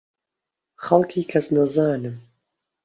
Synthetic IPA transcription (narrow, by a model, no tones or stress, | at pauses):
χɐlˠkʰiːkʰɐsnɐzaːnɨm